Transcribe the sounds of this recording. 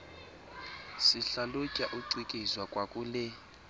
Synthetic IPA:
siɬalucʼaʔuǀikʼizwakʼwakʼulɛ

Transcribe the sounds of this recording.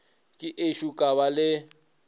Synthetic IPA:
kʼɪʔeʃukʼaβalɪ

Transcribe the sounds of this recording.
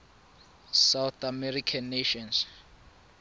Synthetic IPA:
sawθamɛɾikʰanːeʃɔns

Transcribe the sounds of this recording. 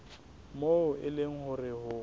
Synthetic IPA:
moʊɪlɪŋ̩hʊrɪhʊ

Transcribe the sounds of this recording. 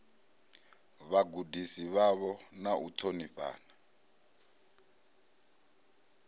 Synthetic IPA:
βaɡudisiβaβɔnaʔut̪ʰoniɸa̰ːna

